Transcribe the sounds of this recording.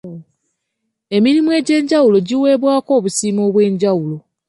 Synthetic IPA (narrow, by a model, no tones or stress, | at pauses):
e̞miɾimue̞ːɟe̞ːɲɟawulo̞ɟiwe̞ːβwaːko̞ːβusiːmo̞ːβwe̞ːɲɟawulo̞